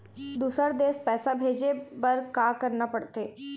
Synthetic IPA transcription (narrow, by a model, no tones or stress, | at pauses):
d̪uːsəɾd̪eːspɛːsabʱeːd͡ʒebɐɾkaːkəɾnapəɽt̪eː